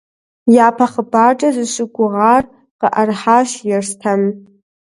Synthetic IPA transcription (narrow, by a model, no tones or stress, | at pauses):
japʰaχəbaʈ͡ʂʼazɨʃʷɨɡʷʼʊʁar | qʼəʔarħaʃjarstʰam